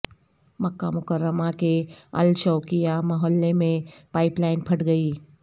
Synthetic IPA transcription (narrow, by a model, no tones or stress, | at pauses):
məkːa̰mʊkəɾːəmakeɐ̰lt͡ʃɔːkijamɐɦɔlːemẽpaːɪplaːɪnpʰɐʈɡɐiː